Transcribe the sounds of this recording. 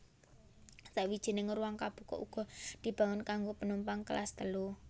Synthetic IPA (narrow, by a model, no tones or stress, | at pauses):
saʔwid̥ʒ̥i̤nɪŋɾuwaŋkab̥ṳkɔ̰ʔuɡ̥ɔ̤d̪̥i̤b̥a̤ŋʊnkaŋɡopənumpaŋkəla̰st̪əlu